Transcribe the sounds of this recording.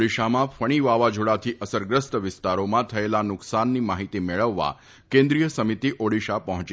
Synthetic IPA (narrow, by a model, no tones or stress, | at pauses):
ɽiʃamãfəɽ̃iʋaʋad͡ʒoɽat̪ʰiʔəsəɾɡɾəst̪əʋɪst̪aɾomãt̪ʰəelanʊksanːimaɦit̪imeɭəʋːa̰ | kẽnd̪ɾijəsəmit̪iʔoɽiʃapəɦɔ̃t͡ʃ